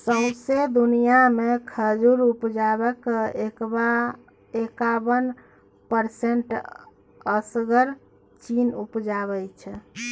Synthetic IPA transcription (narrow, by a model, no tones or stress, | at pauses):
səsed̪unijamekʰəd͡ʒuɾupd͡ʒabɛkekba | ekabən | pəɾseɳʈ | əsɡəɾ | t͡ʃinupd͡ʒaβɛt͡ʃʰɛ